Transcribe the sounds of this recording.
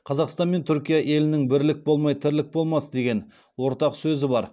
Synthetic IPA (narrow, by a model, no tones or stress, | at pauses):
qʰɑzɑqst̪ɑnme̞nt̪ʰʏɾkʲijɑʔe̞lɪnɪŋbɪɾlɪk̚bo̞lˠmɑjt̪ʰɪɾlɪk̚bo̞lˠmɑsəd̪e̞ɡʲe̞n | wo̞ɾt̪ɑqsɵzɪbɑɾ